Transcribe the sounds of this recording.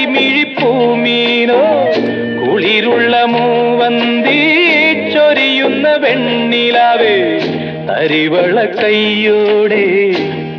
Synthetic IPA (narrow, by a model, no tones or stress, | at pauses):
miɻipːumiːno | kʊɭiɾʊɭːɐmuʋɐnd̪it͡ʃːɔɾijunːɐʋɛɳːilaːʋe | t̪ɐ̰ɾiʋɐɭɐkːɐjːoːɽe